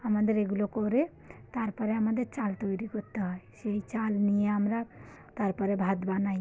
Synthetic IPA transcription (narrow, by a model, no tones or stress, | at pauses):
əmãnd̪eɾeɡulɔkoɾe | t̪aɾpəɾeɦəmãd̪et͡ʃalt̪ojɾikɔt̪aɦeseit͡ʃalnijeɦəmɾa | t̪aɾpəɾebʱad̪banaj